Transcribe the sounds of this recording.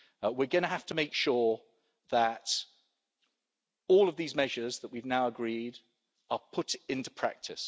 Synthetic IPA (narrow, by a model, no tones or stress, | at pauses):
wɪɡʌñəɦaftəmeɪkʃɔː | ðət | ɔːlˠəvðiːzmɛʒəzðəʔwivnaʊəɡɹiːd | əpʰʊtɪ̃ntu̥pʰɹ̥æ̰k̚tʰɪ̰s